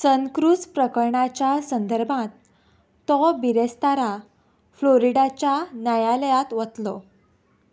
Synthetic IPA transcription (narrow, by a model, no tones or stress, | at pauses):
səŋkɾuspɾəkəɾɳat͡ɕjasənd̪ʱəɾbʱãt̪ː | ɔbiɾest̪aɾa | floɾiɖat͡ɕjanajaləjat̪ʋət̪lɔ